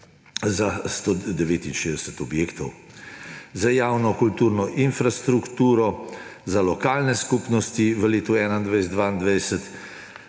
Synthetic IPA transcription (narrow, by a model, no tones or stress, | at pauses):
zast̪od̪ɛʋeːt̪inʃeːd̪ɛsɛt̪ɔbjeːkt̪ɔw | zajaːwnɔkult̪uːɾnɔʔinfɾast̪ɾukt̪uːɾɔzalɔkaːlnɛskuːpnɔst̪iʋəleːt̪uɛːnaind̪ʋaɪjs̬ɛd̪ʋaːind̪ʋajsɛt̪